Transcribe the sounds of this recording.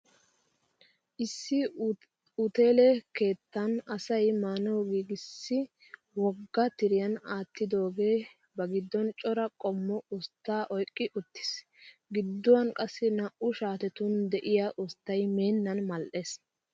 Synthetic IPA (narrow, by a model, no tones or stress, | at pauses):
ʔɪsːɪ | ʊt̪e̞ːlɛkeːt̪ːɐnɐsɐjmaːnɔwɡiːɡɪsːɪ | wɔɡːɐt̪ɪɾɪjɐnaːt̪ːɪd̪o̞ːɡe̞ː | bɐɡɪd̪ːɔnt͡ʃʼɔɾɐkʼɔmːɔʊst̪ːaːʔɔjkʼːɪʔʊt̪ːɪ̥s | ɡɪd̪ːɔwɐnkʼɐsːɪnɐʔʊʃaːt̪ɛt̪ʊnd̪ɛʔɪjaʔʊst̪ːɐjme̞ːnːɐnmɐlʔe̞ːs